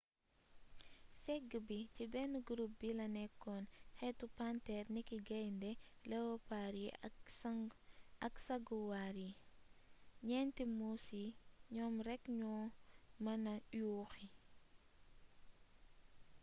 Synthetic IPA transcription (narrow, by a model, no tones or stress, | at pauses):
sɛɡːəbicibɛnuɡuɾup̚bilɐnɛkːɔnxɛtːupantɛrnikiɡɐjndɛ | lɛwɔpaɾi | ɐksɐɡuwaɾi | ɲɛntimusiɲɔːmrɛkɲɔːmɐnɐjuːxi